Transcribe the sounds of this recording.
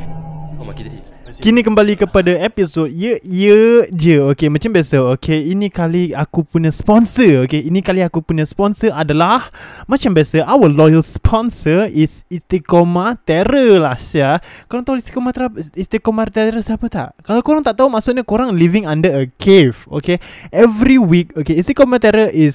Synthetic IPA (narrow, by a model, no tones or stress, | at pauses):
kinĩkəmbalikəpadaepisot̚jəjəd͡ʒəokemãt͡ʃambiasaokʰeinĩkaliakupuɲə̃spɔnsəokeinĩkaliakupuɲə̃spɔnsəʔadalahmãt͡ʃambiasaʔawəlɔjəlspʰɔnsəisist̪ikomat̪ɛɾəlahsakoɾaŋt̪aoist̪i̥komat̪eɾap̚ist̪ikomat̪ɛɾəsapət̪a̰ʔkalawkoɾaŋt̪aʔt̪aɦumaʔsʊʔɲakoɾaŋlivĩŋãndəɾəkʰevo̰keʔɛvɾiwik̚okeist̪ikomat̪ɛɾəʔis